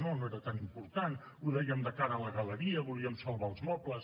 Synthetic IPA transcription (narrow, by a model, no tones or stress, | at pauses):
nonoeɾət̪animpuɾt̪an | uðɛjəmd̪əkaɾələɣələɾiəβuliəmsəlˠβaːlˠzmɔkləs